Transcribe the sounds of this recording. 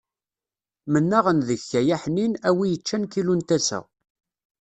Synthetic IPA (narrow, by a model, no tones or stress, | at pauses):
mənːæʁənðəçːæjæħninæwijət͡ʃːænkilunt̪æsæ̰